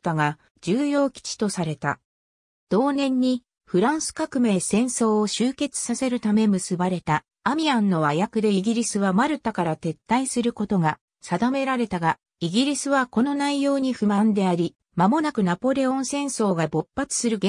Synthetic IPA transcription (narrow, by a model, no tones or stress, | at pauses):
t̪ːaɡa | d͡ʑɨːjo̞ːkʲi̥t͡ɕi̥t̪o̞saɾe̞t̪a̰ | d̪̥o̞ːnẽ̞ɲ̟ːi | ɸɯ̟ɾãɰ̃sɨ̥kakɯ̟me̞sẽ̞ɰ̃so̞ːoɕɨːke̞t͡sɨ̥sase̞ɾɯ̟t̪ame̞mɯ̟sɨbaɾe̞t̪a | amʲiãnːo̞βajakɯ̟d̪e̞iɡʲiɾʲisɨβamaɾɯ̟t̪akaɾat̪e̞t̪ːaisɨɾɯ̟ko̞t̪o̞ɡa | sad̪ame̞ɾaɾe̞t̪aɡa | iɡʲiɾʲisɨβako̞no̞naijo̞ːɲ̟iɸɯ̟mãnd̪e̞aɾʲi | mamo̞nakɯ̟napo̞ɾe̞õ̞ɰ̃sẽ̞ɰ̃so̞ːɡabo̞pːat͡sɨ̥sɨɾɯ̟ɡ